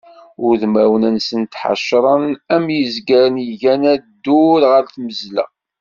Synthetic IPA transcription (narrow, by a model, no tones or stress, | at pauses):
ʊɾðmæwənænsənt̪ħa̰ʃɾˤənæmjəzɡæɾənəʝænæd̪ːuɾʁəɾθməzlæ̰